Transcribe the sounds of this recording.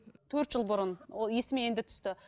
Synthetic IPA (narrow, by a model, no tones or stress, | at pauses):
t̪ʰɵɾt̪ʒəlˠbʊɾənwolˠje̞sɪmee̞nd̪ɪt̪ʰʏ̥st̪ɪ